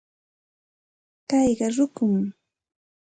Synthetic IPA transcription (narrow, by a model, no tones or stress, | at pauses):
kɑjɢɑɾʊkʊm